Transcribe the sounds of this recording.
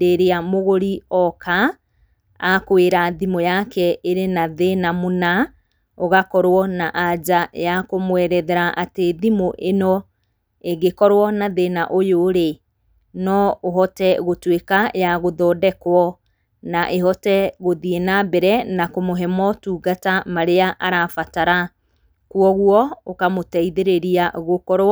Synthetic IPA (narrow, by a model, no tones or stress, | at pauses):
deɾeamoɣoɾiɔkaː | koeɾaðimojakɛʔeɾenaðenamona | oɣakɔɾwɔnaʔad͡ʒajakomwɛɾɛðɛɾaʔateðimoʔenɔ | eɡekɔɾwɔnaðenaʔojoɾe | nɔoɦɔtɛɣotwekajaɣoðɔdɛkwɔ | naʔeɦɔtɛɣoðienabɛɾɛnakomoɦɛmɔtuːɡatamaɾeaʔaɾafataɾa | kwɔɣwɔokamotɛiðeɾeɾiaɣokɔɾwɔ